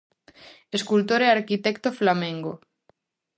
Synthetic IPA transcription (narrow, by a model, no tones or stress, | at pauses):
eskult̪oɾeaɾkit̪ɛkt̪oflamẽŋɡo